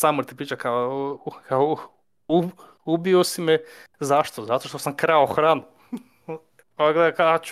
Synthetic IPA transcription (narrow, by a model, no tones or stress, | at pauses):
samoɾt̪ipɾiːt͡ʃakaokao | u | ubiosimezaʃt̪ozat̪o̞ʃt̪osamkɾaoxɾaːnu | aɡkad̪at͡ʃ